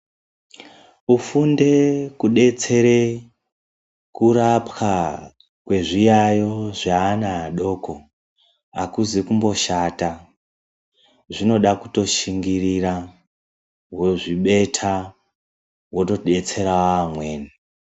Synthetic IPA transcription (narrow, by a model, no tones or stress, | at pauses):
ufunde̞kuɗe̞t͡se̞ɾe̞ | kuɾapka | kwe̞ʐijajo̞ʐaːnaɗo̞ːko̞ | a̰kuzikumbo̞ʃata | ʐino̞ɗakuto̞ʃiŋɡirira | weʐiɓe̞tʰa | wo̞to̞ɗe̞t͡se̞ɾawaːmwe̞ːni